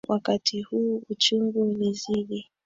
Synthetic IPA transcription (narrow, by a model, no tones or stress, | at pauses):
wʔakatʰihuːut͡ʃumɡuniziɗi